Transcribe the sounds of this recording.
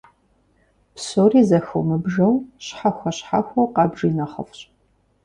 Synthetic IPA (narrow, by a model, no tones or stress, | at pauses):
psoːriːzɐxɐ̰wmɨbʒɐwɕħaxʷɐɕħa̰xʷɐwqɑbʒiːnɐχɐ̰fɕʼ